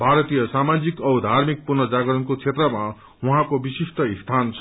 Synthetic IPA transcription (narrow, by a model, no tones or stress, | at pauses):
bʱaɾʌt̪ijʌsamad͡zikʌwd̪ʱarmik̚purnʌd͡zaɡʌɾʌnkot͡sʰet̪rʌma | wuɦãkobisisʈʌist̪ʰant͡sʰ